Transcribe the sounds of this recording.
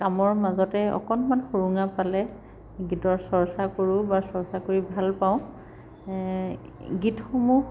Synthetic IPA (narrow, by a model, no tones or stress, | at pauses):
kamɔɹmazɔtɛɔ̰kɔnmanxoɹuŋapalɛ | ɡitɔɹsɔɹsakoɹubasɔɹsakoɹibʱalpaʊ̃ | ɡitxomu